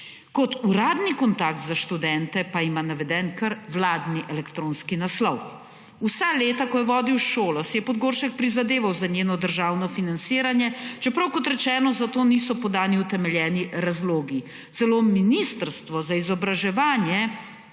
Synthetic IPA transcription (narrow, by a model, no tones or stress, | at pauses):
kɔt̪uɾaːd̪nikɔnt̪aːk̚t̪zaʃt̪ud̪ɛnt̪ɛpaimanaʋɛd̪ɛnkəɾʋlaːd̪niʔɛlɛkt̪ɾoːnskinaslɔw | usaleːt̪akɔjɛʋɔːd̪iwʃoːlɔsɛjɛpɔd̪ɡoːɾʃɛk̚pɾizad̪eːʋawzaɲeːnɔd̪əɾʒaːwnɔfinantsiːɾanjɛt͡ʃɛpɾɐwkɔt̪ɾɛt͡ʃɛːnɔzat̪oːniːsɔpɔd̪aːniut̪ɛmɛljɛːniɾazloːɡi | t̪ɛloːminist̪əɾst̪ʋɔzaizɔbɾaʒɛʋaːnjɛ